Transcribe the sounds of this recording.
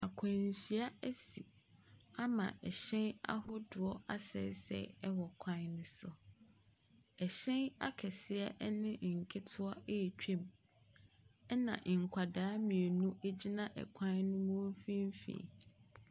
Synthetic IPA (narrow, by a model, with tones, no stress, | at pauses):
a˨kʰã˨ɲ˨ɕi˦a˦æ˦sḭ˨ | a˦mã̰˨ʔɛ˨ɕɛ̃˦na̰˦hʊ˦dʊ˨ɔ˦a˦sɛ̰˦˨˦sɛ̰˨ɛ˦wɔ˨kʷʰã˦nnʊ̃˦sʊ˨ | ɛ˨ɕɛ̃˦na̰˦kʰɛ˨sɪ˦ɛ˦ʔnɪ̃˦ʔŋ̩˨kʰɪ˦tʰʊ˦a˦ʔe˦˨t͡ɕᶣẽ˦m | ɛ˦nã̰˨ʔŋ̩˨kʷʰa˨daː˦mĩ˨e˨nũ˦ʔe˦d͡ʑi˦nã˦ʔɛ̰˨kʷʰã˦nnʊ̃˦mũ˦fĩ˦m˦fḛ˨